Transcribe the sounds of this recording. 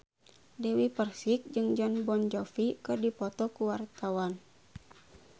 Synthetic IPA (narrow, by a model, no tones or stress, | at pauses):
dɛwipərsik̚d͡ʒɨŋd͡ʒɔnbɔnd͡ʒɔfikɨrdipɔt̪ɔkuwart̪awan